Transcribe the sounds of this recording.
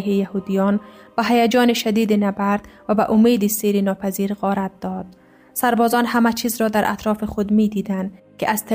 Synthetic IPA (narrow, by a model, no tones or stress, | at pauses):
ɦijahud̪ijɒnbaɦajad͡ʒɒːneʃad̪iːd̪inabaɾd̪̥vabaʔʊmeːd̪iseɾinɒːpʰaziːɾɣɒːɾat̪̚d̪ɒd̪̥̚ | saɾbɒːzɒnhamat͡ʃʰiːzɾɒd̪aɾʔa̰t̪ɾɒːfixʊd̪mid̪iːd̪and̪kɪʔaz̥t̪ʰ